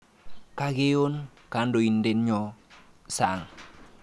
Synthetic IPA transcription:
ka˦ɡe˦jo˦n | ka˨˦ndo˨i˨nde˦nɲɔ˨ | sa˨ŋ

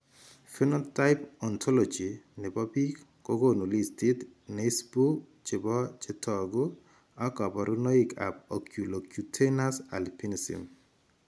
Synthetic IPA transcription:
fi˦no˦ta˦ɪpɔ˨ntʰɔ˦lo˨d͡ʒi˨ne˨bɔ˦bi˦k | ko˦ɡo˦nu˨li˦sti˦t̪ne˦sbu˦k | t͡ʃɪ˨bɔ˦t͡ʃɪ˦tʰɔ˨ɡu˦ | a˦kɔ˨pɔ˨ɾʔu˦no˦i˦ka̰˨p̚o˨kju˨lo˨kju˨tʰe˦na˦sa̰˨lpi˦nisḭ˨m

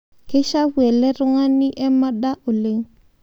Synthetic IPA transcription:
ke˦ʃa˦wwɛ˨lɛ˦ɾʊ˦ŋa˦nɪ˦ʔɛ˦ma˦ɗda˦ʔo˨le˨˦ŋ

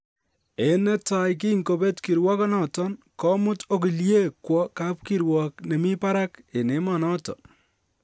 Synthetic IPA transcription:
e˨nɛ˦ta˨jk̬i˦ŋko˨be˦tki˨ɾwɔ˦kɔ˦nɔ˨tɔ˦n | kɔ˦mʊ˦to˦k̬i˨lje˦kwɔ˦ka˦p̚ki˦ɾwɔ˨k̚ne˨mi˦pa˦ɾa˦ke˨ne˨˦mɔ˨nɔ˦tɔ̰˨

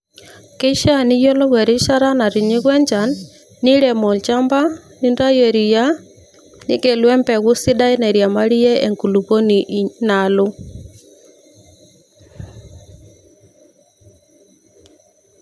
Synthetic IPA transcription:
kɛ˦ʃa˦ni˦jɔ˦lɔ˦ɣwɛ˨ɾi˦ʃa˦ɾa˦na˨ɾi˨ɲi˦ɣwɛ˦ɲd͡ʒa˨nː | i˦ɾɛ˨mɔ˨lt͡ʃa˦mba˦ni˦nda˦jɛ˨ɾi˨ja˦ | ni˦kɛ˨lwɛ˦mpɛ˨ɣu˦si˦ɗa˦i˦na˨ɾja˨ma˦ɾi˦jɛ˦ʔɛ˨ŋku˨lu˨βɔ˦ni˨ʔna˨lo˦

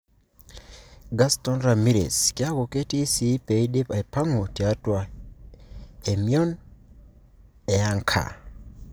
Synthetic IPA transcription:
ɡa˦stɔ˦nɾa˨mi˦ɾḛ˨skɪ˦a˦ɡo˨ke˦ti˦si˦pe˨ide˦pa˨i˨pa˦ŋo˨ti˨a˦twa˦ | hemiɔ˦n | ɛ˨a˦ŋkʰa̰˨

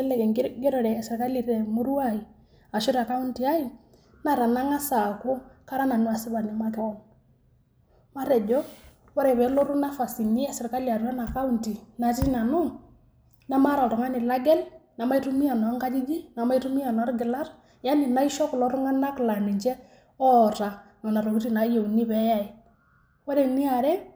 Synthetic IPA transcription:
ɛ˦lɛ˨kɛ˨ɡɪ˦ɾɔ˨ɾɛ˨sɪ˨ɾka˦li˨ɾɛ˨mu˦ɾu˦a˦˨i˨ | a˨ʃɔ˦ɾa˨ka˦u˦nti˨a˦i˨ | na˦ɾa˨na˦ŋa˦sa˨kʊ˦ka˦ɾa˦na˨nu˦a˨sɪ˦ba˨nɛ˦ma˦tɛ˦wɔ˦ | ma˦ɾɛ˨d͡ʒɔ˦ | wa˦ɾɛ˨bɛ˨lɔ˦ɾu˦na˦fa˨si˨ɲi˦a˦sɪ˨ɾka˦li˨a˨ɾu˨ɾa˦na˨ka˦u˦˨nti˨na˨ti˦na˨nu˦ | na˦ma˦ɾa˨ɾɔ˨ŋa˦nɪ˨la˦ɡɛ˦lna˨ma˦i˦ɾu˦mi˦ja˨nɔ˨a˦ŋka˦d͡ʒi˦d͡ʒi˦na˨ma˦i˦ɾu˦mi˦ja˨nɔ˨a˦ɾɡɪ˨la˦ɾ | ja˦nɪ˨na˦i˦ʃɔ˦klɔ˦ɾu˦ŋa˦na˦kla˨ni˨ɲt͡ʃɛ˦ | ɔ˦ɾa˨nɔ˨na˨ɾɔ˨ku˦ɾi˦na˨˦je˨u˨ni˦bɛ˨˦ja˦i˨ | wa˦ɾɛ˨ni˦a˨ɾɛ˦

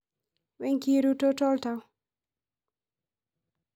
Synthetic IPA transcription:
wɛ˦ŋki˦ɾu˦to˦tɔ˦lta˧w

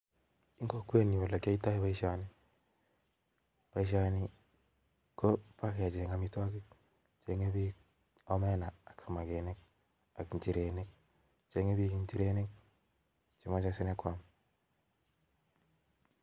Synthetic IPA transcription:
i˦ŋɡo˦kwe˦˨ni˨wa˨la˨ka˦i˦ta˦i˦βa˦i˦ʃa˨ni˦ | pa˨i˦ʃ̬a˨ni˦ | ko˦pa˦ka˨d͡ʒe˨ŋa˦mi˦twa˦kɪ˦ | t͡ʃe˨ŋe˦bi˦ | ɔ˦mɛ˦naː˨ksa˨ma˨ɡe˨ne˦k̚ | a˨kɲt͡ʃi˨ɾe˨ne˦k̚ | t͡ʃe˨ŋe˦bi˦ki˨ɲt͡ʃi˦ɾe˦ne˦k̚ | t͡ʃi˨ma˦t͡ʃa˦sɪ˦nɛ˦kwa˦m

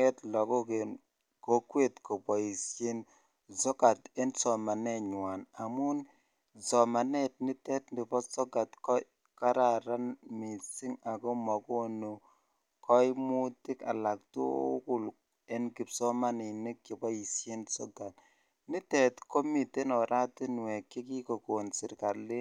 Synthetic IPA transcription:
ɛ˦tlɔ˨ɡɔ˦ke˨ | ko˦kwe˦˨tkɔ˨pɔ˨ji˨sje˦n | zɔ˦ka˨tɛ˦nsɔ˨ma˨nɛ˦˨ɲwa˨na˨mu˦n | zɔ˨ma˨nɛ˦t̚ni˦tɛ˦t̚ndi˨bɔ˦sɔ˦ɡa˨tkɔ˦ | ka˦ɾa˨ɾa˦nmi˨si˦ŋa˨kɔ˦mɔ˨ko˦no˨ | kɔ˦i˦mu˦tɪ˦ka̰˨la˨k̚to̰˦ku˦l | ɛ˦nki˨psɔ˦ma˦ni˨nɪ˦kji˨bɔ˦i˨sje˦nsɔ̰˦ɡa˨t̚ | ni˦tɛ˨tko˦mi˨te˦nɔ˨ɾʔa˦ti˦n˨wɛ˨kːi˦ki˦ko˨ko˨nsɪ˨ɾka˨lɪ˦

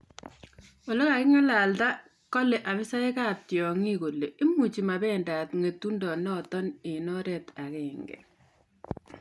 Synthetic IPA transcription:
o˨lɔ˦ka˨kɪ˦ŋa˦la˨lta˦ | kɔ˦lɛ˨ʔa˨βɪ˦sa˦e˦ka˦tjɔ˨ŋi˦ko˨le˨ʔɪ˦mu˨t͡ʃi˨ma˨bɛ˦nda˨tŋe˨tːu˦ndɔ˨nɔ˦tɔ˦nɪ˨nɔ˦ɾɛ˨ta˨kɛ˨ŋɡɛ̰˨

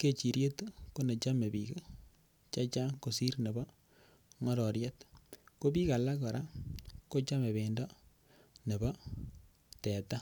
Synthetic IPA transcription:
ke˦t͡ʃi˨ɾje˦t̪ko˦ne˨t͡ʃa˦me˨bi˨ka˦ | t͡ʃa˦t͡ʃa˦ko˨si˦ɾne˨bɔ˦ | ŋɔ˦ɾɔ˨ɾjɛ˦tko˦pi˦ka˨la˦kɔ˨ɾʔa˦ko˦t͡ʃa˦me˨βe˨ndɔ˦ | ne˨bɔ˦ | tɛ˨ta˦

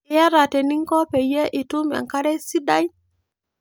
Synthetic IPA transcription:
ja˦ɾa˨te˨ni˦ŋkɔ˦pe˨je˦ʔi˨tu˦ma̰˨ŋka˦ɾe˦si˦da˦j

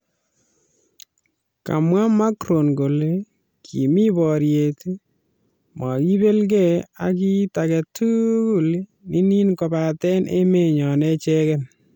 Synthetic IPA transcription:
ka̰˨mwa˦ma˦kɾo˨nɡo˨le˦ | kʰi˨mi˦bɔ˨ɾje˨t | ma˨ki˦be˦lɡɛ˦˨a̰˨k̬i˦ta˨kɛ˨tu˦ku˨lni˦ni˦nkɔ˨ba˨tɛ˦nʔḛ˦me˦˨ɲɔ˨nɛ˦t͡ʃɛ˦kɛ˦n

